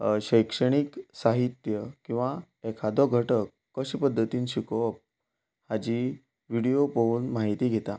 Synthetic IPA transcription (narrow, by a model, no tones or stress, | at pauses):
ɕəjkʂəɽ̃iksaɦit̪jəkĩw̃ʋa | ekʰad̪ɔɡʱəʈəkːəɕipəd̪ʱːət̪iːnɕikop̚ | had͡ʑi | ʋiɽijopəuːnmaɦit̪iːɡʱet̪a